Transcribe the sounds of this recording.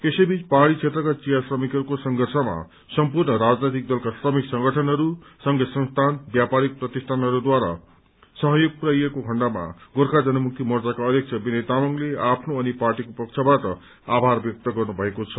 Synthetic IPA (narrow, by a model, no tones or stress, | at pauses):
esʌjbit͡spaɦaɽit͡sʰet̪rʌkat͡sijasrʌmikɦʌɾukosʌŋɡʱʌrsʌma̰ | sʌmpurnʌɾad͡znet̪ik̚d̪ʌlkasrʌmiksʌŋɡʌʈʰʌnɦʌɾusʌŋɡʌsʌnst̪ʰanbjapaɾik̚prʌt̪isʈ̪ʰanɦʌɾud̪waɾa̰ | sʌɦʌjoɡ̚puɾajekoɡʱʌɳɖama̰ɡorkʰad͡zʌnʌmuk̚t̪imʌrd͡zakaʌd̪jek̚t͡sʰʌbinʌt̪amʌŋleapʰnoʌniparʈikopʌkt͡sʰʌbaʈʌ | abʱarbjʌk̚t̪ʌɡʌrnubʱʌekot͡sʰʌ̥